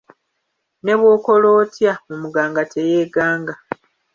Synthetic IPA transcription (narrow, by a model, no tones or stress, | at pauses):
ne̞βwo̞ːko̞lo̞ːtjamumuɡaːŋɡatʰejeːɡaːŋɡa